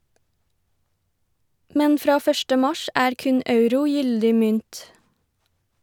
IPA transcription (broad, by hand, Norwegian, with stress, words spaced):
ˈmɛn ˈfɾɑː ˈfœʃʈə ˈmɑʃ ˈæːɾ ˈkʉn ˈɑʉɾʊ ˈjʏldɪ ˈmʏnt